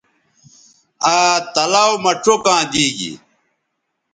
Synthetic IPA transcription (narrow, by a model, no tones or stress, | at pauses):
aːt̪ɐlaːwmɐʈ͡ʂʰokãːd̪iːɡḭ